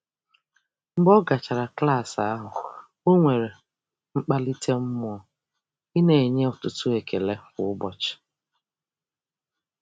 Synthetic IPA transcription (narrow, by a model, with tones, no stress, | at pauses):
ŋ͡m̩˦ɡ͡bɔ˦ɡa˨t͡ʃa˨ɾa˨kla˦˨sa˦ɦʊ˨ | o˦ŋʷe˨ɾe˨ | ŋ͡m̩˦k͡pa˦li˦tʰe˦m̩˦m˦ | i˦ne˨e˨ɲe˦ʊ˨tʊ˨tʊ˦e˨ke˨le˦kʊ˨˦ʊ˦bɔ˨t͡ʃɪ̥˨